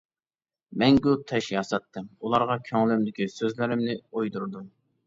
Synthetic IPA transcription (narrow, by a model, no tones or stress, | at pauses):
mɛŋɡʲut̪ʰɛʃjɑsɑt̪ːɨmulˠɑɾʁɑkʲʰøŋlymd̪ɪkʲisøzlɪɾɪmnɪojd̪uɾd̪um